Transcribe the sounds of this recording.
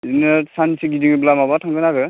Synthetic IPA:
zinɯsansiɡidiŋblamabatʰaŋɡɯnaɡɯ

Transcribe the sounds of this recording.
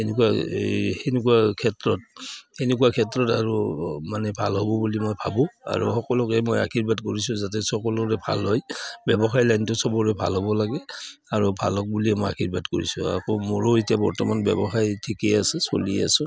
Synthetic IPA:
enek̬uwahenek̬uwakʰɛtɹɔtenek̬uakʰɛtɹɔtaɹumanɛbʱalɦɔbɔbulimojbʱabɔa̰ɹṵxɔkɔlɔkɛmoja̰kʰiɹbatkoɹisʊ̃zat̬ɛsɔkɔlɔɹɛbʱa̰lɦɔjbɛbɔxaɹlajntʊsɔbɔɹɛbʱa̰lɦɔbɔlaɡɛ | aɹubʱalɔk̚buliɛmoja̰kʰiɹbatko̰ɹisʊ̰̃a̰kɔmoɹoitijabɔɹtɔmanbɛ̰bɔxaɹjtʰikeasɛso̰lḭa̰sʊ̃

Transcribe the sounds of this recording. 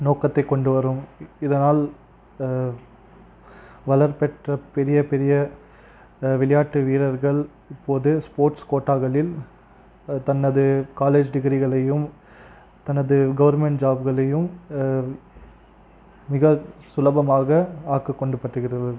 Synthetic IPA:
noːkɐt̪ːɐɪkːɔɳɖɯʋɐɾɯmɪðɐnaːl | ʋɐlɐɾpɛʈrɐpɛɾɪjɐpɛɾɪjɐ | ʋɪlɐjaːʈːɯʋiːɾɐɾɣɐɭ | ɪpːoːðɯspoːɾʈskoːʈːaːɣɐɭɪl | t̪ɐnːɐðɯkaːleːd͡ʒɖɪɣɪɾɪɣɐɭɐjɯm | t̪ɐnɐðɯɡɐʋɐɾmɛɳʈd͡ʒaːbɣɐɭɐjɯm | mɪɣɐsʊlɐbɐmaːɣɐaːkːɐkːɔɳɖɯpːɐʈːɯɣɪɾɐðɯ

